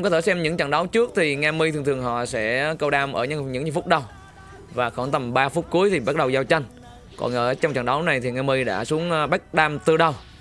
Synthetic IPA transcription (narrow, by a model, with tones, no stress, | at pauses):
kɔː˧˦t̪ʰe˧˩sɛ˧mɲɨ̰˧˥ŋt͡ɕa̰˧˩ŋɗə˨˦wt͡ɕɨ˦˥ək̚t̪ʰi˨˩ŋaː˧mi˧t̪ʰŋt̪ʰɨ˨˩əŋɦɔ̰˧˨sɛ̰˧˥kə˧wɗaː˧mʔəː˧˩ɲɨ˧ɲɨ̰˧˥ŋɲɨ˧˩fʊ˦˥k͡p̚ɗə˧w | vaː˨˩xɔ˧˩nt̪ə˨˩mɓaː˧fu˦˥k͡p̚ku˨˦əjt̪ʰi˨˩ɓa˦˥t̚ɗə˨˩wzaː˧wt͡ɕa˧jŋ̟ | kɔ̰˨˩nʔəː˧˩t͡ɕɔ˧wŋ͡mt͡ɕa̰˧˩ŋɗə˨˦wna˨˩jt̪ʰi˨˩ŋaː˧mi˧jɗa̰ː˧˥su˨˦əŋː˧ɓa˦˥k̚ɗaː˧mt̪ɨ˧˩ɗə˨˧˩w